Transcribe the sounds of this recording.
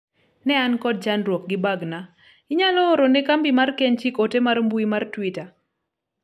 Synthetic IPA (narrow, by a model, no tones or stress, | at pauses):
nɛankɔd̚d͡ʒanɾwɔk̚ɡɪbaɡna | ɪɲalɔːɾonekambimarkɛɲt͡ʃikotemarmbuimartwita